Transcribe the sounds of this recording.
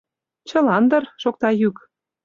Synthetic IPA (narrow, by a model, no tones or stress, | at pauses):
t͡ɕɤ̆lɑnd̪ɤ̆rʃok̚t̪ɑjyk